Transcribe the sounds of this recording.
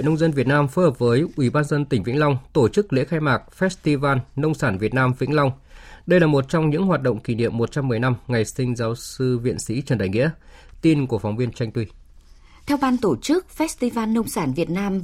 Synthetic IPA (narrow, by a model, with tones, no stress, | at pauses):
nə˧wŋ͡mzə˧nvi˨˩ət̚naː˧mfoː˨˦jhəː˨˩p̚vəː˨˦jʔwi˧˩ɓaː˧nzə˧nt̪ï˩ŋ̟vï˧˥ŋ̟lɔ˧wŋ͡mt̪o˧˩t͡ɕɨ˦˥k̚lḛ˧˥xaː˧jmaː˨˩k̚fɛ˦˥t̚st̪i˧vaː˧nːə˧wŋ͡msaː˧˩nvi˨˩ət̚naː˧mvḭ˧˥ŋlɔ˧wŋ͡m | ɗə˧jlaː˨˩mo˨˩t̚t͡ɕɔ˧wŋ͡mɲɨ̰˧˥ŋɦwaː˨˩t̚ɗo̰˧˨wŋ͡mki˧˩nḭ˧˨əmːo˨˩t̚t͡ɕa˧mːɨ˨˩əjna˧mŋa˨˩jsï˧ŋ̟zaː˨˦wsɨ˧vḭ˧˨ənsḭ˧˥t͡ɕə˧˩nɗa̰ː˧˩jŋḭ˧˥ət̪i˧nku˧˩əfɔ˨˦wŋ͡mvi˧ənt͡ɕa˧jŋ̟t̪wi˧ | t̪ʰɛ˧wɓaː˧nt̪o˧˩t͡ɕɨ˦˥k̚fɛ˦˥st̪i˧vaː˧nːə˧wŋ͡msaː˧˩nvi˨˩ət̚naː˧m